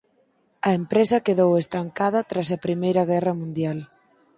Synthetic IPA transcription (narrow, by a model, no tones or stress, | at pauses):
ɐempɾesɐkeðowest̪aŋkað̞ɐt̪ɾasɐpɾimejɾɐɣ̞ɛrɐmũnd̪jal